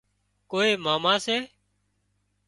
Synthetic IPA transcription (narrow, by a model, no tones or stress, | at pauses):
koːeːmaːmaːseː